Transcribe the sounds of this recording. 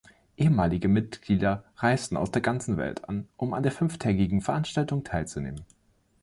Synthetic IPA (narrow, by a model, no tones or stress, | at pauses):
ʔeːəmaːlɪɡəmɪt̚ɡ̥liːdɐʁaɪstn̩a̰ʊsd̥eːɐɡant͡sn̩vɛ̰ltʰa̰nʔʊma̰ndeːɐfʏnftʰɛːɡɪɡŋ̩fɛɐʔanʃtaltʊŋtʰaɪlt͡sunḛːmən